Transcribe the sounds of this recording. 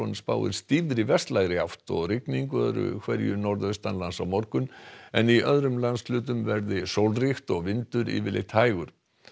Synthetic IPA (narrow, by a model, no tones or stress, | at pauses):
onspaːwðɪ̰ɾ̥st̪iːvɾɪvɛst̪laɣɾɪawht̪ɔɣrɪkniŋkœðɾʏ̰kʰvɛɾjʏnɔɾðœst̪anlansawmɔɾkʏnɛniʔœðɾʏmlanslʏːt̪̬ʏmvɛɾðɪsowlrixt̪ɔɣvɪnt̪ʏɾḭːvɪ̰lɪ̰t̪haːjɣʏɾ̥